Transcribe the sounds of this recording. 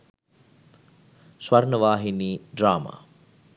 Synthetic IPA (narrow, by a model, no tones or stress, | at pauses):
swarnəʋaːɦiniːɖraːma̰ː